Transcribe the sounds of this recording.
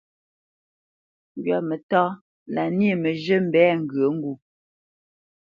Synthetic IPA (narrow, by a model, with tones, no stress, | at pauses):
ŋ˨ɡɥa˨mə˨tɔː˦ | la˨n˦e˦˨mə˨ʒə˦m̩˦˨bɛː˦ŋ̩˨ɡɰə˨˦ŋ̩˦ɡu˦˨